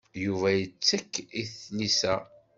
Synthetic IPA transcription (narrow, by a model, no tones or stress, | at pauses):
juvæjət͡sːækːiθnisæ